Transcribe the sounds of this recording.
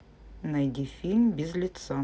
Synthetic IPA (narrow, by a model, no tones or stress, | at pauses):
nɐjdʲifʲilʲmʲbʲɪzlʲɪt̪sa